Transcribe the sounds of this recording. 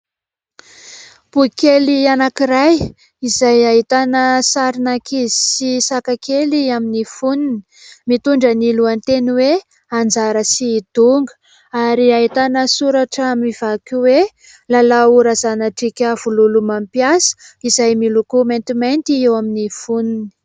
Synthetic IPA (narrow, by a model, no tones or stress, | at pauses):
b̥ukelianakiɾaj | izajaɦit̪anəsaɾinakizisisakakeliaminifunn | mit̪uɳɖ͡ʐəniluant̪eniwe | and͡zaɾəsiːd̪̥uŋɡə̥ | aɾiaɦit̪anəsuɾaʈ͡ʂəmiv̥akʲuwe | lalauɾazanaʈ͡ʂikʲəv̥ululumampiasə̥izajmilukumant̪imajnt̪iewaminifunini̥